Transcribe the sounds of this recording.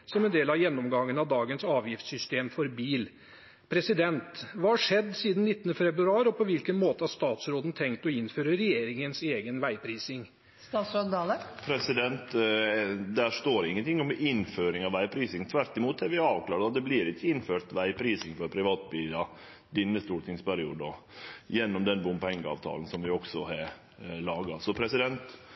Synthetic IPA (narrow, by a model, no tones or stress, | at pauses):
sɔmɛnd̪eːlɑʋjɛnːɔmɡɑŋːənɑʋd̪ɑːɡənsɑːʋjɪft̪sʏst̪eːmfɔɾbiːl | pʰɾɛsɪd̪ɛnt̪ʋɑːhɑʂɛd̪ːsiːd̪n̩nɪt̪ːənəfɛbɾʉɑːɾɔpʰɔʋɪlkənmoːt̪əhɑʂt̪ɑːt̪sɾoːd̪n̩t̪ʰɛŋk̚t̪ɔɪnːføːɾəɾɛjeːɾɪŋənseːɡənʋæɪpʰɾiːsɪŋ | st̪ɑːt̪sɾoːd̪d̪ɑləpʰɾɛsɪd̪ɛnt̪ | d̪æʂt̪oːɾɪŋːənt̪ʰɪŋːɔmɪnføːɾɪŋɑʋæɪpʰɾiːsɪŋt̪ʰʋæɾʈ̪ɪmuːt̪ɛɾʋɪɑːʋklɑːɾɑt̪̚d̪ɛblɪɾɪçːəɪnføːt̪ʋæɪpʰɾiːsɪŋfɔɾpʰɾɪʋɑːt̪̚biːlɑ | d̪ɪnːəst̪uːɾt̪ʰɪŋspʰæɾɪuːd̪ɔjɛnːɔmd̪ɛnbʊmpɛŋɡəɑ̰ːʋt̪ʰɑ̰ːln̩sɔmʋɪɔksɔhɑ | lɑːɡɑsɔpʰɾɛsɪd̪ɛnt̪